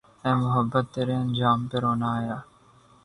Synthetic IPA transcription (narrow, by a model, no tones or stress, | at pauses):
ɛ̃ːmʊɦəbːət̪ːeːɾeɐnd͡ʒaːmpeɾɦoːnaajaː